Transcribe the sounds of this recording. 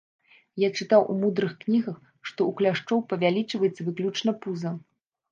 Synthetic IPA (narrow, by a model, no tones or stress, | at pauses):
jat͡ʂɨt̪awʔṵmud̪ɾɨxknʲiɣɐx | ʂt̪ɔuklʲaʂt͡ʂɔwpɐvʲalʲit͡ʂvɐjɛt̪sːɐvɨklʲut͡ʂnɐpuzɐ